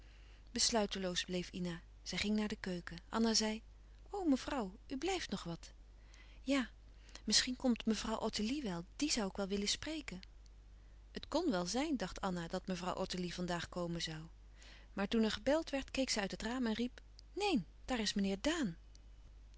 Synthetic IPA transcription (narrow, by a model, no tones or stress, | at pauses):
b̥əslœɥtəlowzblejfina | z̥ɛjχɪŋnaːɹdəkøɥkəʔɑ̰nazɛj | owməv̥rɑwʔyblɛjftnɔχʋɑt | jaː | mɪsχinkɔmtməvrɑwʔɔtiliʋɛlˠd̥izɑwɪkʋɛlˠʋɪləsprejkən | ətkɔnʋɛlˠzɛjndɑχtʰɑnadɑtməvrɑ̰wʔɔ̰tilivɑndaːχkowmənzɑw | maːɹtunɛɹχəbɛlˠtʋɛɹtkejksɛjœɥtətraːmɛnrip | nejn | d̥aːrɪsmənɪːɹdaːn